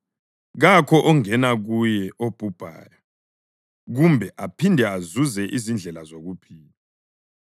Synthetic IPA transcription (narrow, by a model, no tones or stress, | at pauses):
ɣakʰɔʔɔŋɛnaɣujɛʔob̥ʱub̥ʱa̰ːjɔ | ɣumbʱɛʔapʰindʱɛazuzɛʔizind͡ɮʱɛlazoɣupʰiːla